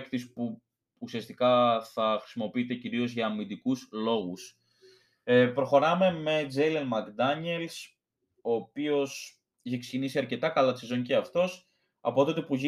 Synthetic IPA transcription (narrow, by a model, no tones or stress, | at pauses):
kt̪ispuː | siɐst̪ikɐθɐxɾi̥simo̞piit̪e̞ciɾio̞zʝɐːmind̪ikuslo̞ɣus | epɾo̞xo̞ɾɐme̞me̞d͡zelenmɐkd̪ɐɲe̞ls | o̞ːpio̞s | içekse̥cinisiɐɾce̞t̪ɐkɐlɐt̪i̥sezo̞ɲceɐft̪o̞s | ɐ̰pot̪ot̪epuʝi